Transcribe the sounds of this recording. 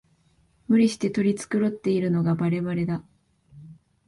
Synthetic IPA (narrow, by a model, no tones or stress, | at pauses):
mɯ̟ɾʲiɕi̥t̪e̞t̪o̞ɾʲit͡sɨ̥kɯ̟ɾo̞t̪ːe̞iɾɯ̟no̞ɡabaɾe̞βaɾe̞d̪a